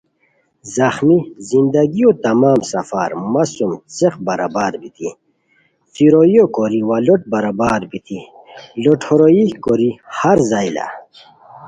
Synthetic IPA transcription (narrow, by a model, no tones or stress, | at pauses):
zɐxmizind̪ɐɡijot̪ɐmaːmsɐfa̰ːɾmasumt͡seqbɐɾa̰baːɾbit̪ʰḭ | fiɾojjokoɾiwaloʈ̚bɐɾabaːɾbit̪ʰi | loʈʰoɾoikoɾihaɾzajla̰